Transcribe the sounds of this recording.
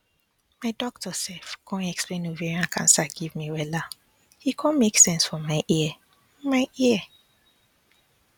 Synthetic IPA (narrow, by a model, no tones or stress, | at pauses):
maɪdɔk̚tʰɔsɛfɡʰɔ̃nɛksplẽnoviɹiãnkʰã̰nsaɡivmiwɛla | hikʰɔ̃nmeksɛ̃nsfɔmaɪʔi | maɪʔiə